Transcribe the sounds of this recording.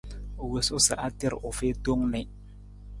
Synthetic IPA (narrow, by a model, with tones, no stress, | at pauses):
o˨we˨sʊ˦sa˨ʔa˦tɪ˦ɾ̰ʔʊ˨feː˦do˦ŋnɛ˨